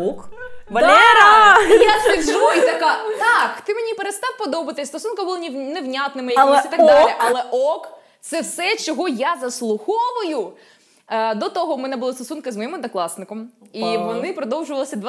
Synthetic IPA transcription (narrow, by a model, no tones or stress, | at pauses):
ɔkʋɐlʲɛɾɐjafʲiɡʒuit̪ɐkat̪ɑkt̪ɪmenʲipeɾest̪ɑwpɔd̪ɔbɐt̪ɪst̪ɔsunkɐbulˠɐnʲneʋnʲat̪nɪmɪjɐsʲit̪ɐɡd̪alʲiʔɐlˠɛʔɔk | t̪sɛwsɛt͡ʃɔɦɔjazɐslˠʊxɔʋʊjʊ | d̪ɔt̪ɔɦɔmɛnɛbʊlˠɪst̪ɔsunkɪzmɔjimɐd̪nɐklˠɑsnɪkɔmiʋɔnɪpɾɔd̪ɔwʒʊʋɐlˠɐsʲɐd̪ʋ